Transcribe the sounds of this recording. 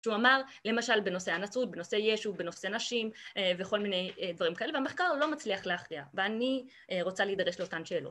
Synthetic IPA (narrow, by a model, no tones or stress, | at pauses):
ʃeuamaʁ | le̞maʃalbe̞no̞se̞anat͡sut̚beno̞se̞jeʃube̞no̞se̞naʃimve̞xo̞lmine̞jed̪vaʁimkae̞levameχkaʁlo̞mat͡sliaχleaχʁiaveani | ʁo̞t͡saleid̪aʁeʃleo̞tanʃe̞ːlo̰t